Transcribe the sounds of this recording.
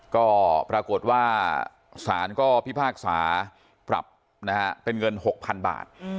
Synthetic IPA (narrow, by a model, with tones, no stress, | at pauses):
kɔː˥˩pɾaː˧ko˨˩t̪̚waː˥˩ | saː˩˦nkɔː˥˩pʰi˥˩pʰaː˥˩k̚sa̰ː˩˦ | pɾa̰˨˩p̚ | na˦˥ha˦˥pe˧nŋɤ˧nho˨˩k̚pʰa˧nba̰ː˨˩t̪̚